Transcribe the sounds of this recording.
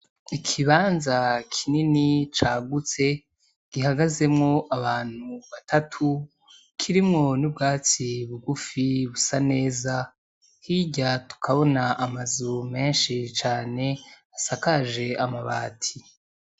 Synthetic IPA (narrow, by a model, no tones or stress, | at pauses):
ikʰiβaːnzakʰininit͡ʃaːɡut͡se̞ | ɡ̥iɦaɡaze̞mŋo̞ʔaβaːn̥huβatʰatʰu | kʰiɾimŋo̞nubɡaːt͡siβuɡufiβusane̞ːza | hiɟatu̥kʰaβo̞naʔːmazume̞ːnʃit͡ʃaːne̞ | asakaʒe̞amaβaːtʰi